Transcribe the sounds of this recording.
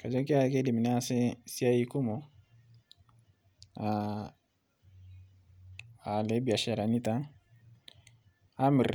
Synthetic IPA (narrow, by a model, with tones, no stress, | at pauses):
ka˨d͡ʒa˦ki˦a˨˦ke˦di˨mi˨n˦a˦˨se˦si˦a˦i˦ku˦mɔ˨˦ | a˨ | a˨le˨˦bi˨a˨ʃa˨ɾa˨ni˦ta˦ | a˦mɪ˨ɾ